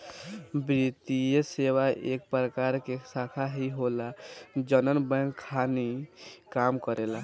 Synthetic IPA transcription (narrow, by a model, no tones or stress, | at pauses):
bɾit̪iəsewaʔḛk̚pɾəkaɾkesakʰaɦiɦolad͡ʒənənbəŋkkʰːanikamkəɾela